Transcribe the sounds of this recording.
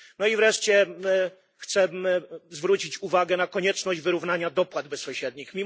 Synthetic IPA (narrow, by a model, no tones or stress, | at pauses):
nɔivɾɛʂt͡ɕɛ | xt̪sɛzvɾut͡ɕit͡ɕuvaɡɛnakɔɲɛt͡ʂnɔʑd͡ʑvɘɾuvn̪aɲad̪ɔpwad̪bɛsɔ̃w̃ɕɛd̪̚ɲixmʲi